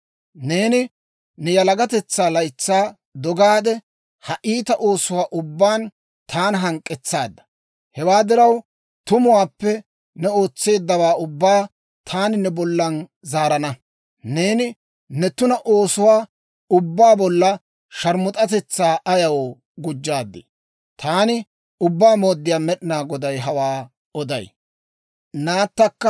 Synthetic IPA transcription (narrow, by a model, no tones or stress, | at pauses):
ne̞ːnɪ | nɛjɐlɐɡɐt̪ɛt͡sːaːlɐjt͡sːaː | d̪ɔɡaːd̪ɛ | hɐʔiːt̪ɐʔo̞ːsʊwaːʔʊbːaːn | t̪ʰaːnɦɐŋkʼːɛt͡sːa̰ːd̪ːɐ̥ | hɛwaːd̪ɪɾɐw | t̪ʊmʊwaːpːɛ | nɛo̞ːt͡sːe̞ːd̪ːɐwaːʊbːaː | t̪ʰaːnɪnɛbɔlːɐnzaːɾɐnɐ | neːnɪ | nɛt̪ʊnɐʔo̞ːsʊwaː | ʊbːaːbɔlːɐ | ʃɐɾmʊt̪ʼɐt̪ɛt͡sːaːʔɐjɐwoː | ɡʊd͡ʒːaːd̪ːɪ̰ | t̪ʰaːnɪ | ʊbːaːmo̞ːd̪ːɪjaːmɛɗɪnaːɡɔd̪ɐjɦɐwaː | ɔd̪ɐ̰j | naːt̪ːɐkːɐ